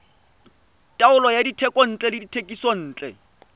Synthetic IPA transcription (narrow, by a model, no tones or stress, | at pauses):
tʼaʊlɔjaditʰɛkʼɔn̩ːt͡ɬʼɛlɪditʰekʼisɔn̩ːt͡ɬʼɛ̰